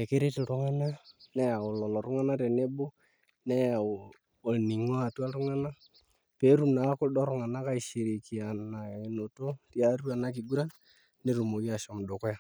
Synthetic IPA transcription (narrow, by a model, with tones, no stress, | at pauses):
e˨ke˦ɾe˦tɪ˨ɾʊ˦ŋa˦na˦nɛ˦a˨ʊ˨lɔ˨lɔ˨ɾʊ˦ŋa˦na˦ɾe˨ne˦bo˦ | nɛ˦ja˨ | o˨ni˨ŋa˦˨twa˦ɾʊ˦ŋa˦na˦ | pe˦ɾu˦mna˨˦kʊ˦dɔ˦ɾʊ˦ŋa˨na˦ka˦i˨ʃi˨ɾi˨ki˨a˨na˨e˨no˨to˦tja˦ru˦a˨na˦k̬ɪ˨ɡu˦ɾa˦n | ne˦˨ɾu˨mo˨ki˦a˨ʃɔ˨m˨do˨kʊ˦ja˦˨